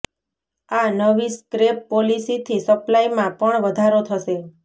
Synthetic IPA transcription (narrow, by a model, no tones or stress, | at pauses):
anəʋiskɾepːolisit̪ʰisəplajmãpəɳʋəd̪ʱaɾot̪ʰəʃe